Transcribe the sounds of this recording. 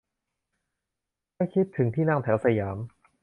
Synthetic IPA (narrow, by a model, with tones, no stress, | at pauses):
ka˥˩jkʰi˦˥t̪ʰːɯ˩˦ŋt̪ʰiː˥˩naː˥˩ŋt̪ʰɛː˩˦˥wsa˧jaː˩˦m